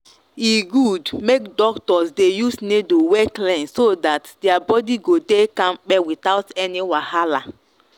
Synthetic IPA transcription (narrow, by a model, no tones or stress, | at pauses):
iɡudmekdɔktɔsdejusnedowɛklɛ̃nsodatdɛabɔdiɡodekãmk͡pɛwitaʊtɛniwahala